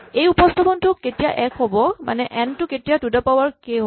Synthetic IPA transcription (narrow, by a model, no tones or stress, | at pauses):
ejupɔst̪ʰabɔntʊketijaʔɛkʰɦobɔmʔa̰nɛʔɛntʊketijadudapawaɹkeɦo